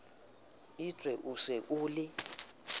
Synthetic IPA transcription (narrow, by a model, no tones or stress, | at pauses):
it͡sʼwɛʔusɛʔuːlɪ